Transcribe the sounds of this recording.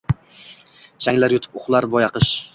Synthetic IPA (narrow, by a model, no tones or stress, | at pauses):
ʃaŋlaɾjʊt̪ʰɪ̥pʊχlˠaɾbɒjɑqɨʃ